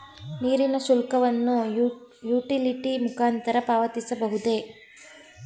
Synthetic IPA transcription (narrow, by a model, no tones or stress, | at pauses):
niːɾinɐsulkɐʋɐnːujuːʈiliʈimukaːnt̪ɐɾɐpaːʋɐt̪isɐbɐɦud̪e̞